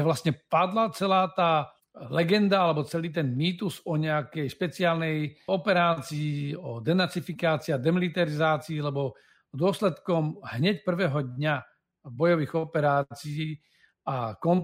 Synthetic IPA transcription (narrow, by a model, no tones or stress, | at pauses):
ʋlast̪ɲɛpad̪lat͡sɛlaːt̪aː | lɛɡɛnd̪aalɛbɔt͡sɛliːt̪̬ɛnmiːt̪uzɔɲɛakɛjʃpɛt͡sɪaːlnɛjɔpɛɾaːt͡siiɔd̪ɛnaɾt͡sifikaːt͡siad̪ɛmilit̪aɾizaːt͡siːlɛbɔ | d̪ʊɔslɛt̪kɔmɦɲɛcpr̩ʋɛːɦɔd̪ɲa | bɔjɔʋiːɣɔpɛɾaːt͡siiː | akɔn